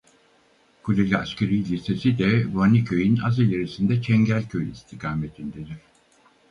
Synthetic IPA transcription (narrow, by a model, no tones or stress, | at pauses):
kʰulʲelʲaascʰeɾijlʲise̞sid̪ɛvanicʰøjina̰zelʲeɾisind̪ɛt͡ʃʰɛɲɟælʲcʰøjist̪ʰikʰaːmet̪ʰind̪ed̪iɾ̥